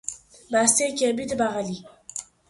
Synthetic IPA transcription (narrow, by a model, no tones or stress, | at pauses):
bast̪ekʲebit̪baʁali